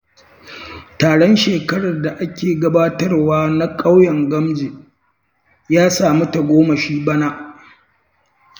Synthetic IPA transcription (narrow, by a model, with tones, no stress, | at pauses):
taː˨ɽɔ˦nʃeː˨kɐ˦ɽɐ˨rda˨ʔa˦kʲeː˨ɡɐ˦baː˦tɐ˦rwaː˦na˦kʼa˦wjɐ˨ŋɡɐ˦md͡ʒe˨ʔ | jaː˦saː˨mu˦ta˨ɡʷoː˦mɐ˨ʃiː˦bɐ˦na˦ʔ